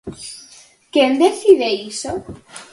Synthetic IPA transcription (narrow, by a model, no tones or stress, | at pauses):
kend̪eθiðeiso